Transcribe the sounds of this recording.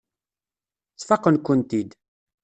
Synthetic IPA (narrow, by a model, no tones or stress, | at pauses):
t͡sːfɑqːənkʷːənt̪id̪